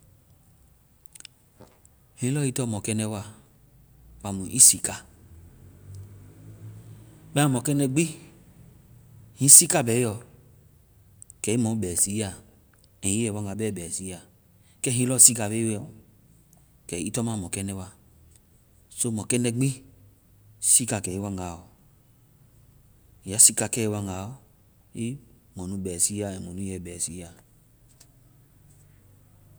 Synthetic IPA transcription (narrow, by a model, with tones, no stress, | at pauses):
hĩ˦lɔ˦i˦tɔ˦˨mɔ˨kɛ˦nɛ˦wa˦ | wa˨mu˨ʔi˦si˨ka˨ | ba˦˨mɔ˨kɛ˦nɛ˨ɡ͡bi˦ | hĩ˦si˦ka˦˨bɛ˨˦jɔ˨ | kɛ˨i˦mɔ˨˦˨bɛ˨si˨˦a˨ | e˨i˦ɛ˨wɔ˦˨ɡa˨bɛ˦˨bɛ˨si˨˦a˨ | kɛ˦ɦĩ˦lɔ˦˨si˦ka˨be˦wɔ˨ | kɛ˨i˦tɔ˦ma˦˨mɔ˨kɛ˦nɛ˦wa˦ | so˦mɔ˨kɛ˦nɛ˦ɡ͡bĩ˦ | si˦ka˨kɛ˨i˦wa˦ŋa˨ɔ˨ | ja˦si˦ka˨kɛ˦˨wa˦ŋa˨ɔ˦ | i˦ | mɔ̃˨nũ˨˦bɛ˨si˦a˦ɛ˨mɔ˨nu˦jɛ˨bɛ˨si˦a˨